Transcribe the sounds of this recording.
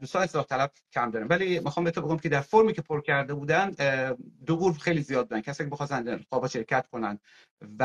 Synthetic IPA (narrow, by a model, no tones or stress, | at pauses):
d̪uːst̪ɒːneselɒːht̪ʰælæb̥̚cʲʰæmd̪ɒːɾinvæliːmixɒːmbet̪ʰobeɡomcʰed̪æɾfoɾmiːcʰepʰoɾcʰæɾd̪e̞buːd̪ænd̪oʁuːɾxe̞jlizijɒːd̪̚bud̪æncʰæsːnikʰʲeexɒːsænxɒːbɒːʃe̞ɾcʰæt̪kʰo̞nænd̪ | væ